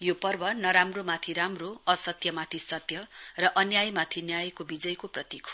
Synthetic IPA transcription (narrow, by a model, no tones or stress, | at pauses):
jopʌrbʌnʌɾamromat̪ʰiɾamroʌsʌt̪jʌmat̪ʰisʌt̪jʌrʌʔʌnjajmat̪ʰinjajkobid͡zʌjkoprʌt̪ikʰo